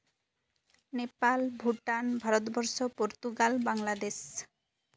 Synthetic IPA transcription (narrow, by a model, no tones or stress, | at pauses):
nepalbʱuʈanbʱaɾɔt̪ɔbɔɾsɔpoɾt̪uɡalbaŋlad̪es